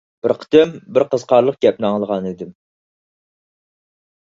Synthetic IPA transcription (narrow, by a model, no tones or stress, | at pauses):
b̥ɪɾqʰə̥t̪ʰɪmbɪɾqəz̥qʰɑɾlˠəq̚ɡʲɛp̚nɨɑŋlˠəʁɑnɪd̪ɪm